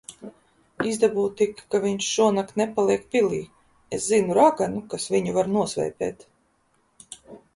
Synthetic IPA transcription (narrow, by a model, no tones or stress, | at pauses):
izd̪abuːt̪ikkaviɲʃʃuɔnakt̪nepalˠiɛkpiliː | eszinuɾaɡanukasviɲuvaɾnuɔsvɛ̰jpɛ̰ːt̪